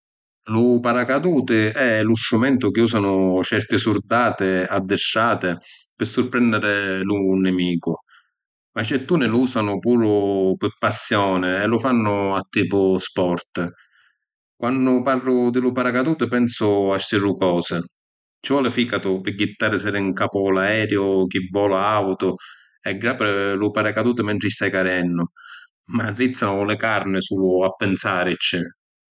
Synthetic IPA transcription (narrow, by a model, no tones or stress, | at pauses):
lʊpaɾakad̪uːt̪ɪɛlusɾumɛnt̪ʊk̟ɪuːs̬anʊt͡ʃɛɾt̪ɪsuɾd̪aːt̪ɪad̪ːɪʃːaːt̪ɪ | pɪsːʊɾpɾɛnd̪ɪɾɪluːnːɪmiːkʊ | mat͡ʃːɛt̪ːuːnɪluːsanʊpuːɾʊpɪpːasːjɔːnɪɛlːʊfanːʊat̪ːiːpʊspɔrt̪ | kwʔanːʊparːʊd̪ɪlʊpaɾakad̪uːt̪ɪpɛnsʊaʃt̪irukɔːsɪ | t͡ʃɪvɔːlɪfiːkat̪ʊpɪɡːit̪ːaːɾɪsɛɾɪiŋkaːpʊɔlaɛːɾjʊk̟ivːɔːlaawt̪ʊ | ɛɡɾapɪlʊpaɾakad̪uːt̪ɪmɛnt̪ɾɪst̪ajkaɾɛnːʊ | marːit̪sːanʊlɪkaɾnɪsuːlʊapːɪnsaːɾɪt͡ʃːɛ